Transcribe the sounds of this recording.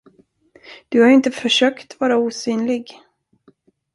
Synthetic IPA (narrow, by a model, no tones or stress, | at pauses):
d̪̥ɵhaɾɪnt̪əfœʂøːkt̪vɑːɾauːsyːnlɪɡ